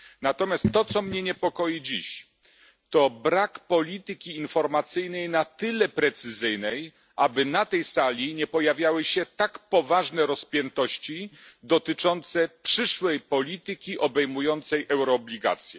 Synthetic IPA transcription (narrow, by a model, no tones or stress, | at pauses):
nat̪ɔmʲjast̪ːɔt̪sɔmɲɛɲɛpɔkɔjid͡ʑiɕ | t̪ɔbɾakpɔlʲit̪ɘkʲiːnfɔɾmat̪sɘjnɛjnat̪ɘlɛpɾɛt̪sɘzɘjnɛj | ʔabɘnat̪ɛjsalʲiɲɛpɔjavʲjawɘɕɛt̪akpɔvaʐnɛɾɔspʲjɛnt̪ɔɕt͡ɕid̪ɔt̪ɘt͡ʂɔnt̪sɛpʂɘʂwɛjpɔlʲit̪ɘkʲiʔɔbɛjmujɔnt̪sɛjʔɛwɾɔːblʲiɡa̰t̪sʲjɛ